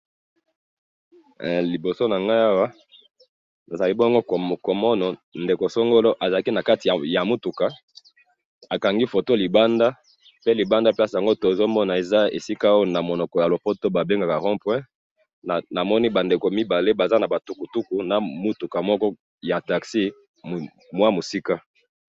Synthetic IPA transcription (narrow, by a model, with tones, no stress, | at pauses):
li˨bo˨so˦na˨ŋɡa˦a˦wa˦ | na˨za˨li˦bɔ˦ŋɡo˦˨ko˨mɔ˦nɔ˨nde˨ko˨so˦ŋɡo˦lo˦ʔa˨za˨la˦ki˦na˨ka˦ti˨ja˨ja˨mu˦tu˨ka˨ | a˨ka˨ŋɡi˦fo˨to˦li˨ba˦nda˦ | pe˦li˨ba˦nda˦pe˦a˦si˨a˨ŋɡo˦to˨zo˦mɔ˦na˨e˨za˦ḛ˨si˦ka˦o˦na˨mo˨nɔ˨kɔ˨ja˨lo˨po˦to˦ba˨be˦ŋɡa˨ka˨ʁɔ̃˦pwɛ̃˦˨ | na˨mɔ˦ni˦ba˨nde˨ko˨mi˦ba˨le˦ba˨za˦na˨ba˨tu˨˦ku˨tu˦ku˨na˨mu˦tu˨ka˨mɔ˦kɔ˦ | ja˨ta˨ksi˦˨ | mwa˦mo˨si˦ka˦